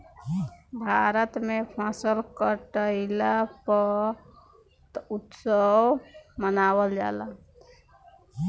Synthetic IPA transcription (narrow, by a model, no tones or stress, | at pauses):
bʱaɾət̪mepʰasəlkəʈəɪlapə | t̪ut̪səwmənawəld͡ʒa̰la